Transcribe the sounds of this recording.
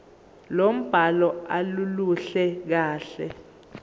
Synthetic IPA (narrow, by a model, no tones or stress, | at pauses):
lom̩b̥ʱalɔaluluɬɛk̬aːɬɛ̰